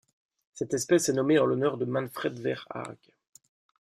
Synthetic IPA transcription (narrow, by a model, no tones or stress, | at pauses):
sɛt̪ɛspɛsɛnɔmeɑ̃lɔnœʁd̪əmɑ̃nfχɛd̪vɛʁa̰ʁɡ